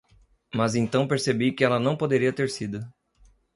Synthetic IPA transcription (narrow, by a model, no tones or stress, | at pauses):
mɐzẽnt̪ɐ̃w̃peɾsebikɪɛlɐnɐ̃w̃pod̪eɾiɐt̪eɾsid̪ʊ